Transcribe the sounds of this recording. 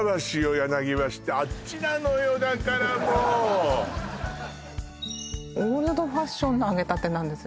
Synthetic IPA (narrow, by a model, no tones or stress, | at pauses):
βaɕiojanaɡʲiβaɕi̥t̪eat͡ɕinanojod̪akaɾamo | oɾɯd̪o̞ɸaɕːõ̞nːoaɡe̞t̪at̪ːe̞nãnd̪e̞sɨ